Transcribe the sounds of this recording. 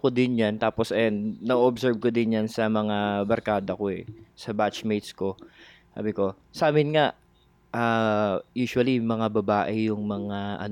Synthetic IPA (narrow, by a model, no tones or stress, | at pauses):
kod̪ɪnjant̪aːposʔɛnɐʔoʔobsɛɹb̚kod̪ɪnjansɐmɐŋabɐɾkaːd̪ɐkoɛ̰sɐbat͡ʃmejt̪sko̞sa̰ːbɪko̞ | saːmɪnŋaʔ | ʔajuːʃʊɐlimɐŋabɐbaːʔɪjʊŋmɐŋaʔɐ̰n